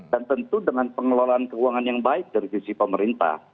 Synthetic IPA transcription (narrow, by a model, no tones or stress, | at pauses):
dant̪ənt̪udəŋanpəŋəlolaankəuaŋanjaŋbaɪk̚daɾisisipəməɾint̪a̰h